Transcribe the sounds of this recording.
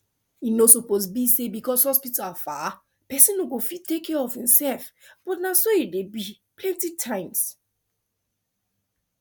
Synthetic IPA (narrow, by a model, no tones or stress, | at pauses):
inosopozbisebikɔshɔspitafa | pɛsĩnoɡofit̚tekʰːɛɹɔfhĩmsɛlfb̥ɔtnasoidebi | pʰlɛ̃ntitʰãɪ̃ms